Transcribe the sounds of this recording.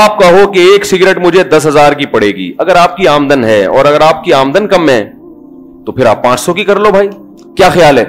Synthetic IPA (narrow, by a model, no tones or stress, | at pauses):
aːp̚kɐɦokeeːksiɡɾeːʈmʊd͡ʒʱed̪ɐsɦɐzaːɾkipɐɽ̤eːɡḭːɐɡəɾaːp̚kiaːmd̪ənɦɛɔ̰ːɾɐɡəɾaːp̚kiaːmd̪ənkɐmɦɛ̰̃ | t̪opʰɪɾa̰ːpːãːt͡ʃsɔkikɐɾlobʱaːi | kjaːxjaːlɦɛː